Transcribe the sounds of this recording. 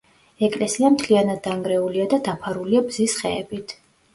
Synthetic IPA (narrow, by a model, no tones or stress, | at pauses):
ɛkʼlɛsiamt̪ʰlianad̪̚ːaŋɡɾɛuliad̪ad̪apʰaɾuliabzisχɛɛbit̪ʰ